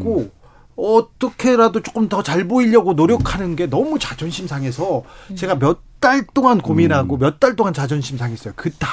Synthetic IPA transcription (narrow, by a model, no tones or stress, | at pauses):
ɡo | ʌt͈ʌkʰe̞ɾadot͡ɕ͈o̥k͈ɯmtʌt͡ɕaɭboiʎːʌɡonoɾjʌkʰanɯnɡe̞nʌmut͡ɕad͡ʑʌnɕʰimsʰaŋesʰʌt͡ɕe̞ɡamjʌt̚t͈aɭt͈oŋankominɦaɡomjʌt̚t͈aɭt͈oŋant͡ɕad͡ʑʌnɕʰimsʰaŋɦe̞s͈ʌjokɯt͈a